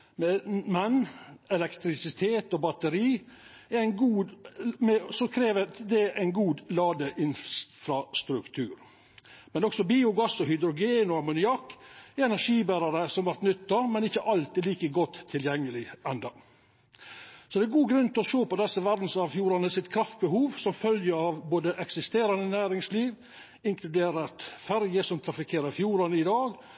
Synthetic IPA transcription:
mɛmɛnɛlɛkt̪ɾɪsɪt̪ʰeːt̪ɔbɑt̪əɾiː | ɛæɪnɡuːmɛsɔkʰɾeːʋəd̪ɛʔæɪnɡuːd̪lɑːd̪əʔɪnsfɾɑst̪ɾʉkt̪ʰʉːɾ | mɛnɔksɔbiːʊɡɑsːɔhʏd̪ɾʊɡeːnɔɑmʊnɪɑkːɛɾɛnæɾʂiːbæɾɑɾəsɔmʋɑɾt̪nʏt̪ːɑmɛnɪçːəʔɑlt̪ɪliːkəɡɔt̪ʰːɪljɛŋːəlɪɛnd̪ɑ | sɔd̪ɛːɾɡuːɡɾʉnt̪ɪɔʂoːpɔd̪ɛsːəʋæɾd̪n̩sɑʋfjuːɾɑnəsɪt̪kʰɾɑft̪̚bəhuːʋsɔmfœljəɑʋboːd̪əʔɛksɪst̪eːɾɑnənæːɾɪŋsliːʋ | ɪŋkʰlʉd̪eːɾəɾt̪fæɾjəsɔmt̪ʰɾɑfɪkʰeːɾəɾfjuːɾɑnəɪd̪ɑːɡ

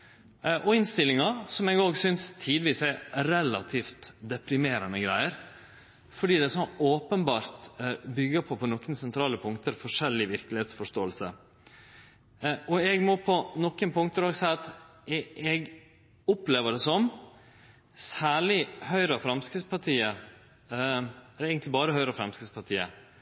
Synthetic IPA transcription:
ʔɔɪnst̪ɪlːɪŋɑsɔmɛɡoːɡsʏnst̪ʰiːd̪ʋiːsæɾɛlɑt̪ʰiːft̪d̪ɛpɾɪmeːɾənəɡɾæɪəɾ | fɔɖiːd̪ɛsɔnoːpənbɑːɾt̪bʏɡːəpʰɔpʰɔnɔkːənsɛnt̪ʰɾɑːləpʰʊŋkt̪əɾfɔʂɛlːɪʋɪɾklɪheːt̪sfɔʂt̪oːəlsə̰ | ʔɔɛɡmɔpʰɔnɔkːənpʰʊŋkt̪əɾoɡsɛɪɑt̪ɛɛɡ | ʊpleːʋəɖɛsɔm | sæːɭɪhœʏɾəɑfɾɑmskɾɪspɑʈ̪ʰiːə | ɛəɾɛɪɡənlɪbɑːɾəhœʏɾəɑfɾɑmskɾɪspɑʈ̪ʰiːə

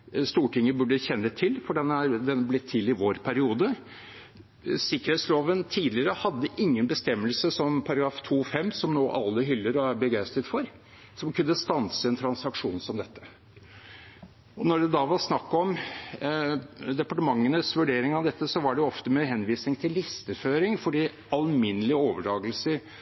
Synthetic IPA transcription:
st̪uːʈɪŋːəbʉɖːəçɛnːət̪ʰɪlfɔɖɛnːəɑɾd̪ɛnːblɪt̪ʰːɪlɪʋoːɾpʰæɾɪuːd̪ə | sɪkːəɾhet̪sloːʋənt̪ʰiːd̪lɪəɾəhɑd̪ːəʔɪŋːənbəst̪ɛmːəlsəsɔmpʰɑɾɑɡɾɑːft̪ʰuːfɛmːsɔmnoːʔɑlːəɦʏlːəɾɑɾbəɡæɪst̪ət̪fɔɾ | sɔmkʰʉnːəst̪ɑnsəɛnt̪ʰɾɑnsɑkʂuːnsɔmd̪ɛt̪ːə | ɔnɔɖɛd̪ɑʋɑɾsnɑkːɔm | d̪ɛpɑʈəmɑŋːənəsʋʉɖeːɾɪŋɑʋd̪ɛt̪ːəsɔʋɑɖɛjʊɔft̪əmɛɦɛnʋiːsnɪŋt̪ʰɪlːɪst̪əføːɾɪŋfɔɖiː | ɑlmɪnːəlɪoːʋəɖɑːɡəlsəɾ

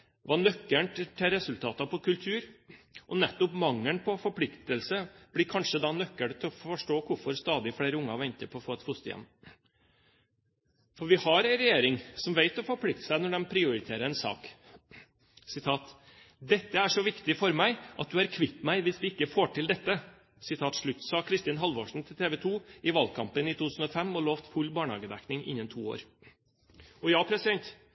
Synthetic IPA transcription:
ʋɑnœkːəɳʈt̪ʰɛɾɛsʉlt̪ʰɑːt̪ɑpʰɔkʰʉlt̪ʰʉːɾʔɔnɛt̪ːɔpmɑŋːənpʰɔfɔɾpʰlɪkt̪əlsəb̥lɪkʰɑnʂəd̪ɑnœkːəɳt̪ʰɛɔfɔʂʈoːkʰʊɾfɔɾst̪ɑːd̪ɪfɽeːɾəʊŋːɑʋɛɲt̪əpʰɔːfoːɛt̪hʊst̪əjɛ̰nn | fɔɾʋɪhɑɾɛɪnɾɛjeːɾɪŋsɔmʋeɪt̪ɔfɔɾpʰlɪk̚t̪ə̥sæɪnɔɖɛmpʰɾɪʊɾɪt̪ʰeːɾəɛnsɑ̰ːk | sɪt̪ʰɑːt̪ | d̪ɛt̪ːəæʂɔʋɪkt̪ɪfɔɾmæɪʔɑt̪̚d̪ʉæɾkʰʋɪt̪ːmæɪʋɪsd̪ɪɪkːəfoːʈɪld̪ɛt̪ːə | sɪt̪ʰɑːt̪ʂɭʉt̪ːsɑːkʰɾɪst̪iːnɦɑlʋoːʂɳ̩t̪ʰɪlt̪ʰeːʋət̪ʰuːɪʋɑlkʰɑmpənit̪ut̪ʉːsn̩ɔfɛmːɔloːʋt̪fʉlːbɑːɳhɑ̰ːɡəd̪æ̰knɪŋʔɪ̰nːənt̪ʰuːo̰ːɾ | ɔjɑːpʰɾɛsɪd̪ɛnt̪

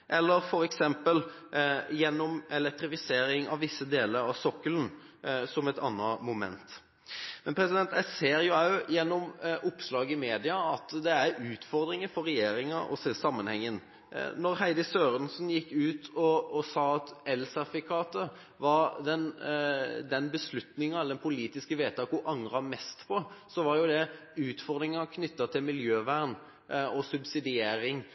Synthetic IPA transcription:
ʔɛlːəɾfɔɾɛksɛmpəl | jɛnːɔmɛlɛk̚t̪ɾɪfɪseːɾɪŋɑ̰ʋʋɪsːəd̪eːləɾɑʋsɔkːələn | sɔmɛt̪ɑnːɑmʊmɛ̰nt̪ | mɛnpʰɾɛsɪd̪ɛnt̪æɪseːɾjʊɑʉjɛnːɔmʔʊpslɑːɡɪmeːd̪ɪɑɑt̪d̪ɛæɾʉːt̪fɔɾd̪ɾɪŋəfɔɾɛjeːɾɪŋɑʔɔ̰ssɑmːənhɛŋːən | nɔɾɦæɪd̪əsøːɾənsnjɪkːʉːt̪ʰɔːsɑːɑt̪ɛlsɑfɪkʰɑːt̪ə | ʋɑɾd̪ɛn | d̪ɛnbəslʉt̪nɪŋɑɛld̪ɛnpʰʊliːt̪ɪskəʋeːt̪ʰɑkʊʔɑŋɾɑmɛst̪pʰɔsɔʋɑɾjʊd̪ɛ | ʉːt̪fɔʁd̪ɾɪŋɑkʰnʏt̪ːɑt̪ʰɪlmɪljøːʋæʁn | ɔsʉbsɪd̪ɪeːɾɪŋ

